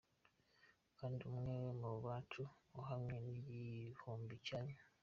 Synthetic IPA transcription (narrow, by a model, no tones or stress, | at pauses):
kaːndiumwewemoβaːtʰuoɦamwenijihoːmbicajo